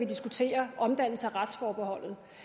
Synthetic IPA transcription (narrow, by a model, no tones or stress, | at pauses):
ʋid̥isɡ̥ut͡sʰe̝̰ːɐʔɒ̽md̥æn̰l̩səæʁad̥sfɒːb̥eɦɒ̽l̰ð̞̩ˠ